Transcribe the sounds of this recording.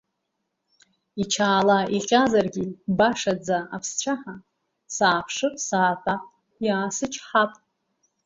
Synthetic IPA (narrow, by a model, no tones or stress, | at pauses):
it͡ʃʰaːlaʔiqʲazarɡʲibaʂad͡zaapʰst͡ɕʷʰaħa | saːpʰʂɨsaːtʼapʼ | jaːsɨt͡ʃʰħapʼ